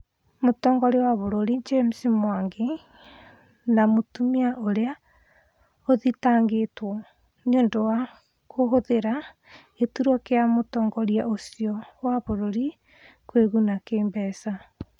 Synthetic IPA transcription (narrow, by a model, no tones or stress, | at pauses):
motɔːŋɡɔɾewaβoɾoɾid͡ʒem̩simwaŋɡe | namotumiaʔoɾea | oðitaːŋɡetwɔ | ɲoːndowa | koɦoðeɾa | etuɾɔkeamotɔːŋɡɔɾiaosiɔwaβoɾoɾi | kweɣunakeːmbɛsa